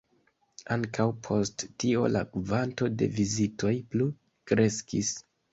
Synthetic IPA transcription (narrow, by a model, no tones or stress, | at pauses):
aŋkawpʰo̞sttio̞̰la̰kuvanto̞de̞̰vizito̞jplu | kɾe̞skis